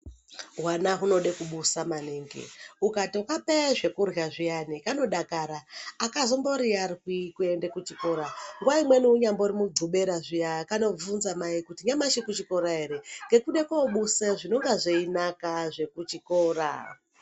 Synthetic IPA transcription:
ɦwanaɦuno̞ɗe̞kuɓusamaneːŋɡḛukatiukapeʐe̞kurɣaʐijanikano̞ɗakaɾaːkazombo̞ɾiariwikue̞ndekut͡ʃiko̞ɾaŋɡuwaimwe̞niuɲambourimud͡zuɓe̞ɾaʐijakano̞b͡vunzamaikutiɲamaʃikut͡ʃiko̞ɾae̞ɾe̞ŋɡe̞kuɗe̞koɓuseʐino̞ŋɡaʐeinakaʐe̞kut͡ʃikoːra̰

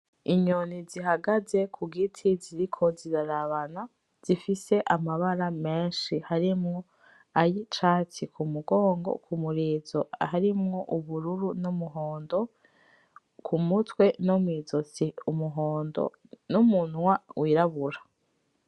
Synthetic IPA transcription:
iɲoniziɦaɡaze̞kʰuɡitʰiziɾikʰo̞ziɾaɾaβana | z̥ifise̞ʔamaβaɾame̞ːnʃihaɾimŋo̞ | ajit͡ʃaːt͡sikʰumuɡo̞ːŋɡo̰kʰumuɾiːzoaɦaɾimŋo̞ʔuβuɾuɾunumuɦoːndo̞ | kʰumutwe̞nomwiːzo̞t͡siumuɦoːndo̰ | numuːn̥wawʔiːɾaβuɾa

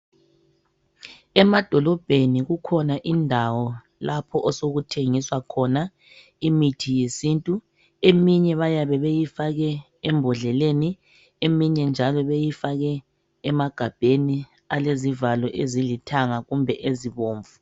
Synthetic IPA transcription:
ɛmad̥ʱɔlɔb̥ʱeniɣukʰɔnaʔindʱawɔ | lapʰɔʔɔsoɣutʰeŋiswakʰɔna | imitʰijesintʼu | emiɲɛβajaβɛβejifaɣɛ | ɛmbʱɔɮɛleni | emiɲɛnd͡ʒʱalɔβejifaɣɛː | maɡ̥ʱab̥ʱeni | alezivalɔʔezilitʰaŋaɣumbʱɛʔeziβoːɱvu

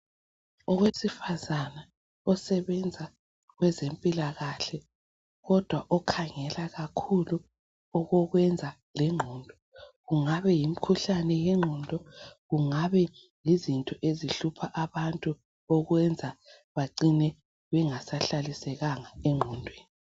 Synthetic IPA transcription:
ɔɣwesifazana | ɔsɛβɛnd͡zʱa | ɣwɛzempʼilaɣaɬɛ | ɣɔd̥ʱwaʔɔkʰaŋɛlaɣakʰulu | ɔɣɔɣwɛnd͡zʱa | lɛŋ͡ǃʱɔːndʱɔ | ɣuŋaβɛjim̩kʰuɬanɛjɛŋ͡ǃʱɔndʱɔɣuŋaβɛ | jizintʼɔʔeziɬupʰaʔaβantʼu | ɔɣwɛnd͡zʱa | βaǃinɛ | βɛŋasaɬalisɛɣaŋaɛŋ͡ǃʱɔndʱweːni

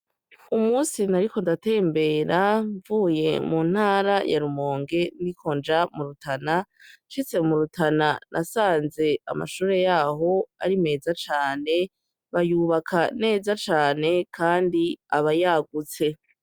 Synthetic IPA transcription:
umuːsinaɾiko̞ndate̞ːmbe̞ːɾaɱvuːje̞muːn̥haːɾaja̰ɾumo̞ːŋɡe̞ndikʰo̞nd͡ʒamuɾutʰanaʃit͡se̞muɾutʰananʔasaːnze̞a̰ma̰ʃuːɾe̞jaːɦo̞a̰ɾime̞ːzat͡ʃaːne̞ | βajuːβakʰane̞ːzat͡ʃaːne̞kaːndiaβajaːɡut͡se̞

